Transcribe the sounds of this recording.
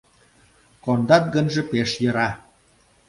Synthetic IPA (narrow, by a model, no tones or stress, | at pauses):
kond̪ɑt̪̚ɡənʒĕpeʃjə̆ɾɑ